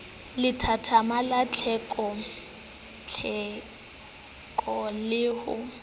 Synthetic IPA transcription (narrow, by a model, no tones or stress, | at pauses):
lɪtʰatʰamalat͡ɬʰɛkʼɔ | t͡ɬʰɛ | kʼɔlɪhʊ̰